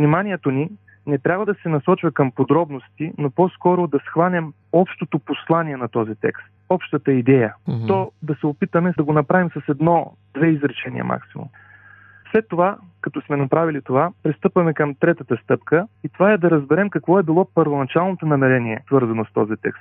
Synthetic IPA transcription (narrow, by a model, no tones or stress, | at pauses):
vnimanʲiɛt̪oni | nɛt̪ɾʲabvəd̪ɐsɛnɐsɔt͡ʃvɐkəmpod̪ɾɔbnost̪inopɔskɔɾʊd̪ɐsxvanʲɛm | ɔpʃt̪ot̪oposlˠaniɛnɐt̪ɔzit̪ɛ̰kst̪̚ɔpʃt̪ət̪əid̪ɛjət̪ɔd̪ɐsɛopit̪əmɛd̪ɐɡonɐpɾavimsɐsɛd̪nɔ | d̪vɛizɾɛt͡ʃɛnḭə̰mʔa̰ksimṵm | slɛt̪ːovakɐt̪ɔsmɛnɐpɾavilit̪ovapɾist̪ɤpvɐmɛkəmt̪ɾɛt̪ət̪əst̪ɤpkəit̪ovaɛd̪ɐɾəzbɛɾɛmkɐkvɔɛbilˠɔpəɾvonɐt͡ʃalˠnot̪onɐmɛɾɛniɛsvɤɾzɐnost̪ɔ̰zit̪ɛ̰kst̪̚